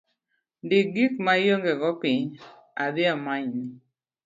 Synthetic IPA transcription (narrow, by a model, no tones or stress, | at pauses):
ndɪɡik̚majoŋɡɛɡɔpɪɲ | ad̪ɪamaɲni